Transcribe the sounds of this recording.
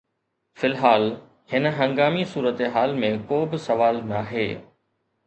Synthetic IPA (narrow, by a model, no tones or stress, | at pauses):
fɪlɦaːl | hɪnəɦɐ̃ŋɡaːmisuːɾət̪eɦaːlmẽkoːbɪsɐʋaːlnaɦḛː